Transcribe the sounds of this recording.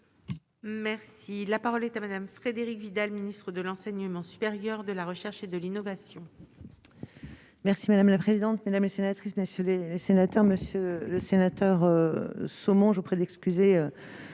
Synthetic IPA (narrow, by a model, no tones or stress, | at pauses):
mɛʁsilapaʁɔlɛt̪amad̪amfχed̪eʁikvid̪alminist̪χəd̪əlɑ̃sɛɲəmɑ̃sy̥peʁjœʁd̪əlaʁəʃɛʁʃed̪əlinɔvasjɔ̃ | mɛʁsimad̪amlapχezid̪ɑ̃t̪med̪amlesenat̪χisməsjølelesenat̪œʁməsjøləsenat̪œʁøsomɔ̃ʒopχɛd̪ɛkskʲyzeø